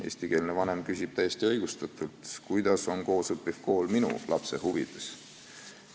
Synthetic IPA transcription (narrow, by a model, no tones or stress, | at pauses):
e̞̰ːst̪ike̞ːlnevɑne̞mkysʲib̥t̪æjːesʲt̪iɤjɡ̥ust̪ɑt̪ˑult̪kujd̪̥ɑso̞nko̞ːsɤpːˑivko̞ːlminṵlʔɑpse̞huvid̪̥e̞s